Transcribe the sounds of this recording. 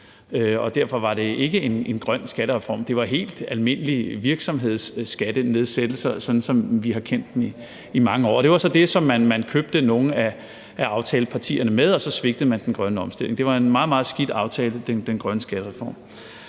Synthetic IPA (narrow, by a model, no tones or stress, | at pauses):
øɒ̽d̥æɐ̰fɒ̽ʋɑ̈ɾ̥e̝ʔe̝ɡ̥əe̝ne̝nɡ̥ʁɶn̰sɡ̥æɾəʁɛfɒ̰ːmd̥e̝ʋɑ̈ɦe̝̰ːld̥ælme̝nəliʋiɐɡ̥sɒ̽mɦe̝ð̞̰ˠsːɡ̥æd̥əne̝ð̞ˠsed̥l̩sɐsɒ̽nn̩sɒ̽mʋiɦɑ̈kʰen̰d̥em̩i | imɑ̈ŋəɒ̰ːɒɾ̥e̝ʋɑ̈sɒ̽d̥e̝sɒ̽mːænmænkʰøb̥̚d̥əno̝ːn̩æ | æɑ̈ʊt͡sʰɛːləpʰɑ̈t͡sʰḭːɐnəmeð̞ˠɒ̽sɒ̽sʋe̝ɡ̥̚d̥ð̩ˠmænd̥enɡ̥ʁɶnəɒ̽msd̥e̝le̝ŋd̥e̝ʋɑ̈e̝nmɑ̈ːð̩ˠmɑ̈ːð̞̩ˠsɡ̥id̥ɑ̈ʊt͡sʰɛːləd̥end̥enɡ̥ʁɶnəsɡ̥æɾ̥əʁɛfɒ̰ːm